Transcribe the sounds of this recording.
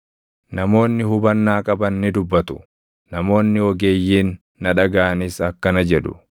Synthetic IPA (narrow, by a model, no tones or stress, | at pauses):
nɐmo̞ːnːɪɦʊbɐnːaːkʼɐbɐnːɪd̪ʊbːɐt̪ʊ̥ | nɐmo̞ːnːɪwɔɡe̞ːjːiːnː | ɐᶑɐɡaːɐnisɐkːɐnɐd͡ʒɛᶑʊ̰